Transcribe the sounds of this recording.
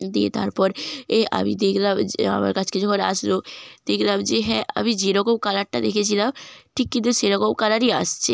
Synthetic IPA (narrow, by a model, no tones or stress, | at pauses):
d̪iḛt̪a̰ɾpɔɾeʔa̰mḭd̪ekʰlama̰ma̰ɾkat͡ɕʰked͡ʒɔkʰona̰ʃlod̪̥ekʰlamd͡ʑeɦɛ̃ʔa̰mid͡ʑeɾɔkowkalaɾʈːad̪ekʰet͡ɕʰilamʈʰikːint̪uʃeɾɔɡowkalaɾia̰ʃt͡ʃʰe